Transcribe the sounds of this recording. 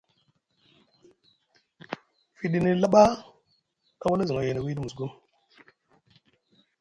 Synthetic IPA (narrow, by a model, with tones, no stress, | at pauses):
fi˨ɗi˦ni˦la˦ɓa˦ | ka˦wa˦la˦zi˨ŋa˨je˨na˨wi˦di˦mu˨sɡu˦m